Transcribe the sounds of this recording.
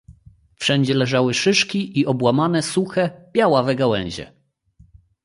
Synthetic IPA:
fʂɛɲd͡ʑɛlɛʐawɘʂɘʂkʲiʔiʔɔbwamanɛsuxɛbʲjawavɛɡawɛ̰̃ɲ̃ʑɛ̰

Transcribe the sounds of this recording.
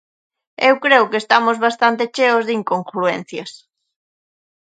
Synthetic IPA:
ewkɾeʊkest̪amozβast̪ant̪et͡ʃeozðiŋkoŋkɾuen̟θjɐs

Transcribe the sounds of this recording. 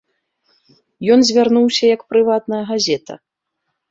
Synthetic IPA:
jɔnzʲvʲarnuwsʲɐjɐkpɾɨvat̪̚nɐjɐɣazʲɛt̪ɐ̰

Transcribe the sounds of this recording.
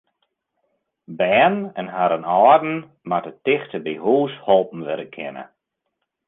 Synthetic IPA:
bɛːnɛnɦaɾənɔːrdn̩ | matətɪxtəbihuːshɔlˠpn̩ʋɪɾəkʰɪnə̰

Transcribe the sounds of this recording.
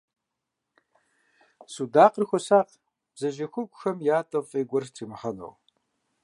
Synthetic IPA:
sudaːqərxʷɔsaːq | b̥zɐʒɐxʷʊɡʷʼʊxɐmjaːtʼɐfʼeːɡʷɔrtʰiːmɨχɐno̰w

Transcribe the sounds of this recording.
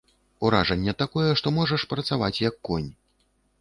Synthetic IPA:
uɾaʐɐnʲːɛt̪akɔjɛʂt̪ɔmɔʐɐʂpɾɐt̪savat͡sʲjɐkːɔnʲ

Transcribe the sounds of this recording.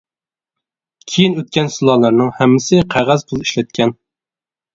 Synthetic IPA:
kʲʰejinøt̪̚kʲɛnsɨlˠɑlˠɑɾnɨŋhɛmːɪsɪqʰæʁæzpʰʊlˠiʃlɛt̪̚kʲʰɛn

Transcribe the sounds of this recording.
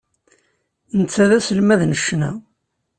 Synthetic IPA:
nt͡sːæðæsəlmæðnəʃːnæ

